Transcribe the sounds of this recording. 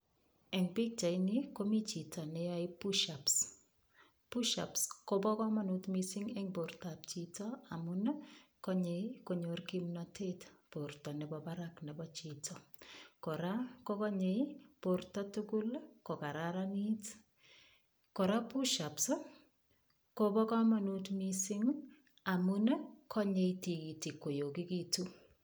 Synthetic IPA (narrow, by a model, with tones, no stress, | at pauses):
ɛ˨ŋpɪ˦k̚t͡ʃa˨ɪnɪko˦mi˦t͡ʃi˨tɔ˨nɛ˦a˨ɪ˦puʃaps | pu˦ʃa̰˨psko˦bɔ˦kɔ˦ma˦nutmisɪ˦ŋɛ˦ŋbo˨rta˨p̚t͡ʃi˦tɔa˨mu˦nkɔ˦ɲeiko˨ɲo˨rki˦mnɔtʰe˦tpo˨ɾtɔ˨nɛ˨bɔ˨ba˦ɾaknɛ˨bɔ˦t͡ʃi˨tʰɔ˨kɔɾako˦kɔ˦ɲejpoɾtɔ˦tuku˦lko˨ka˨ɾaɾani˦t | ko˨ɾa˦pu˦ʃapso˦ | kobɔ˦kɔ˦ma˨nutmisi˦ŋ | a˨mu˦nkʰɔ˦ɲe˧iti˨iti˨kːo˨jo˨ki˦kitu˦